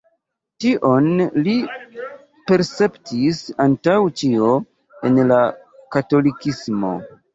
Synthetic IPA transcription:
tiʔo̞nli | pe̞ɾse̞ptʰisantawt͡ʃio̞ | enla | kato̞likismo̞̰

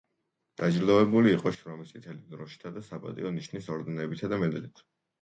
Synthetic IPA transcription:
d̪̥ad͡ʒɾd̪ɔvɛbuliːqʼɔʃɾɔmisit̪ʰɛlid̪ɾɔʃi̥t̪ʰad̪asapʼa̰t̪ʼḭɔniʃnisɔɾd̪ɛnɛbit̪ʰad̪amɛd̪lit̪ʰ

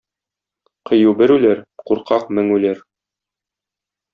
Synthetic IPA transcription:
qɤ̆jubɘɾʉlæɾquɾqʰɑq̚mɘŋʉlæɾ

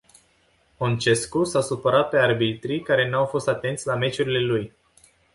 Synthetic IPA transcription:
ont͡ʃe̞skusasupəɾat̪̚pe̞arbit̪ɾikaɾe̞nuawfo̞st̪at̪e̞nt̪sʲlame̞t͡ʃuɾile̞luj

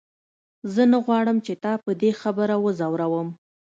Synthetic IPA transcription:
zənaɣwɑɽəmt͡ʃet̪ɑpəd̪exabəɾawəzawɾawəm

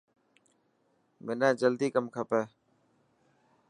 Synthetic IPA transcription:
mɪnɛ̃ːd͡ʒəld̪iːkəmkʰəpeː

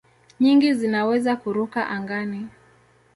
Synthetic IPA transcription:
ɲiŋɡizinawɛzakuɾukaʔaŋɡani

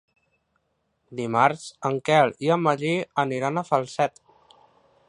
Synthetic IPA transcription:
d̪imaɾsəŋkɛliəməʎiəniɾanəfəlˠsɛt̪

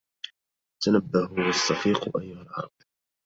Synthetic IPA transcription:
t̪anabːahwɑsːɑfiːqʔajːʊhalʕɑ̰ɾˤɑb̥̚

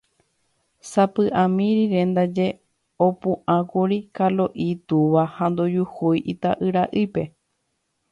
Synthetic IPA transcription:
sapɨʔãmĩɾiɾẽ̞nd̪ad͡ʒe̞ | opũʔãkuɾikaloʔit̪uʋahand̪od͡ʒuhujʔit̪a̰ʔɨɾaʔɨpe̞

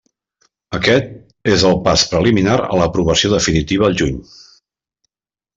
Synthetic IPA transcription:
əkɛt̪̚ | ezəlˠpaspɾəliminaɾə̰ləpɾuβəsioðəfinit̪iβ̞əːlˠʒuɲ

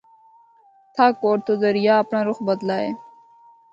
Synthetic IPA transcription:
t̪ʰaːkoːɾt̪ʰoːd̪əɾɪjaːɐpnãːɾʊxbəd̪laːeː

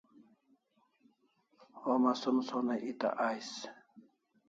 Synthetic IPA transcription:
omasumsonaʔit̪a̰ʔajs

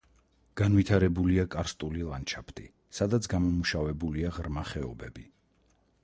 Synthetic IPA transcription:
ɡ̥anvit̪ʰaɾɛbuliakʼaɾst̪ʼulilˠant͡ʃʰapʰt̪ʼi | sad̪at̪sʰɡamɔmuʃavɛbuliaʁɾmaχɛɔbɛbi

